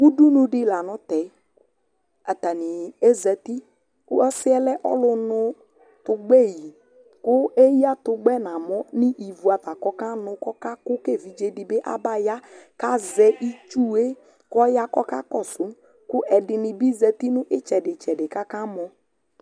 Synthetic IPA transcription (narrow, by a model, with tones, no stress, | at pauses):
u˦du˦nũ˦dɪ˦la˨nʊ̃˦t̪ɛ˨˦ | a˨t̪a˨nɪ˨e˦zɛ˨t̪i˦ | kʊ˦ɔ˦sɪ˦ɛ˦lɛ˦ʔɔ̰˦lʊ˦nʊ˦ | t̪ʊ˨ɡ͡bɛ˦˨ji˨ | kʊ˦e˦ja˦t̪ʊ˨ɡ͡bɛ˦nã˨mɔ˦nɪ˦ʔi˨vu˨a˨t̪a˨kɔ˦ka˦nʊ̃˨kɔ˦ka˦kʊ˦ke˦˨vi˨d͡ʒe˦dɪ˨bɪ˦ʔa̰˦ba˦ja˦ka˦zɛ˨ʔi˦t͡ʃu˦˨e˦ | kɔ˦ja˦kɔ˦ka̰˦kɔ˦˨sʊ˨˦ | kʊ˦ʔɛ˨dɪ˨nɪ˨bi˦za˨t̪i˦nʊ̃˦ʔɪ˦t͡ʃɛ˨dɪ˨t͡ʃɛ˨dɪ˨ka˦ka˦mɔ˦